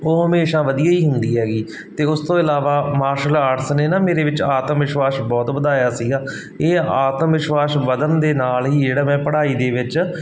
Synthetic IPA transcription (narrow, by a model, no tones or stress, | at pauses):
oːɦəmeːʃãːʋəd̪ijaːiːɦʊnd̪iːɦɛːɡiː | t̪eːʊst̪õːɪlaːʋaːmaːɾʃəlaːʈsneːnaːmeːɾeːʋɪt͡ʃaːt̪mʋɪʃwaːsbɔːt̪ʋəd̪aːjaːsiːɡaː | eːaːt̪mʋɪʃʋaːsʋəd̪ənd̪eːnaːlɦiːd͡ʒeːɽaːmɛ̃ːpəɽaːiːd̪eːʋɪt͡ʃ